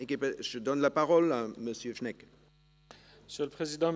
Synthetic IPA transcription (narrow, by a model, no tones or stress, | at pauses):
ekipeʒəd̪ɔnlapaʁɔlaməsjøfnɛk | məsjøləpχezid̪ɑ̃